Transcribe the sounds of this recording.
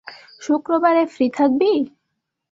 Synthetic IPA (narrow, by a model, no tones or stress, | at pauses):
ʃukɾobaɾefɾit̪ʰak̚bi